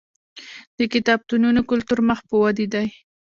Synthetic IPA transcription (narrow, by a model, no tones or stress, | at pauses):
d̪̥əkɪt̪ɑb̚t̪ununokʊlt̪uɾməxpəwad̪id̪aj